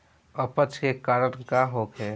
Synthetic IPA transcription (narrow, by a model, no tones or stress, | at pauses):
əpət͡ʃʰkekaːɾəɽ̃kaɦoːkɦɛː